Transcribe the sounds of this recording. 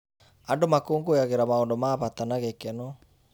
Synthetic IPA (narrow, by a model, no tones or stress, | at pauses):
andomakoːŋɡojaɣeɾamaondomaːβat̪anaɣekɛno